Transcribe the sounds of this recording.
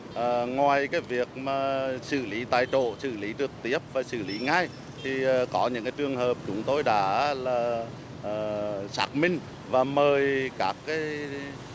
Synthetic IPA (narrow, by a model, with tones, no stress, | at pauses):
ʔəː˨˩ŋwaː˨˩jkaː˨˦jvi˨˩ək̚maː˨˩sɨ̰˧˩li˨˦t̪aː˧˩jt͡ɕo̰˧˨sɨ̰˧˨li˨˦t͡ɕɨ˨˩k̚t̪i˦˥əp̚vaː˨˩sɨ̰˧˨li˨˦ŋa˧˩j | t̪ʰi˨˩ʔːkɔ˨˦ɲɨ̰˧˥ŋkaː˨˦t͡ɕɨ˨˧˩əŋhəː˨˩p̚t͡ɕʊ˨˦ŋ͡mt̪o˧jɗa̰ː˧˥laː˨˩ | ʔəː˨˩sa̰ː˦˥k̚mï˧ŋ̟ | vaː˨˩məː˨˩jkaː˦˥kːaː˨˦j